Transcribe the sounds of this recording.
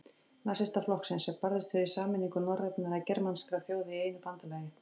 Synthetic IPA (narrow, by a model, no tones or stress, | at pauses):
nasɛst̪aflɔhksɪnsɛpaɾðɪst̪fɪɾisaːmɪniŋkʏnɔrːɛp̪nɪðacɛɾmanskɾaθjoːwðɪieːjnʏpant̪alɛːjɪ